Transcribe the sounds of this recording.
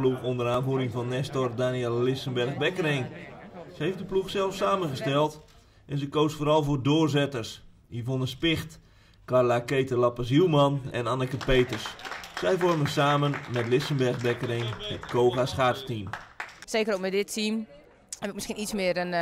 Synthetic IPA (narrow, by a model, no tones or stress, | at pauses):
luxondəɾaːnvuəɾɪŋvɔnːɛstɔrdanjɛlˠːɪsəmbɛrɣbɛkərejnsəejftdəpluxsɛlˠfsaːmənɣəstɛlˠt | ʔɛnsəkoːsfoːɾɔlˠfoːrdoːrzɛtərs | ifonənspɪxt | karlakejtərlapas̬ilmanɛ̰nanəkəpeːtərsːɛjfɔrməsaːmənmɛtlɪsəmbɛrɣbɛkəɾejnhətkʰoːɣasχaːrtstimseːkəɾokmɛdɪtʰim | hɛpɪkməskinismɪəɾən